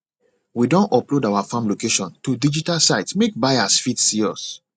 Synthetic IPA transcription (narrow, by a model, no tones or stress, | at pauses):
widɔ̃nɔplodawafãmlokeʃɔ̃ntudid͡ʒitalsaɪtsmek̚baɪasfitsiɔs